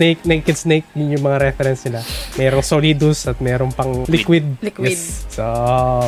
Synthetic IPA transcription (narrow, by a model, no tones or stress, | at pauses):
nejk̚nɛjkɛd̪snejk̚jʊŋjʊŋmɐŋaɾɛfɛɾɛnsnɪlamɛːɾoŋsoliːd̪ʊsɐt̪̚mɛːɾoŋpɐŋlɪkwɪd̪̚jɛoʔ